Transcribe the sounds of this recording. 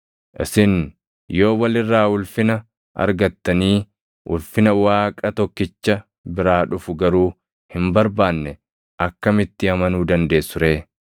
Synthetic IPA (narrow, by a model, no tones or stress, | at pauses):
ʔɪ̰sɪn | jo̞ːwɐlɪrːaːʊlfɪnɐ | ɐ̰ɾɡɐt̪ːɐniː | ʔʊlfɪnɐwaːkʼɐt̪ɔkːɪt͡ʃːɐ | bɪɾaːᶑʊfʊɡɐɾuː | hɪmbɐɾbaːnːɛ | ʔɐkːɐmɪt̪ːɪɐmɐnuːd̪ɐnd̪e̞ːsːʊɾe̞ː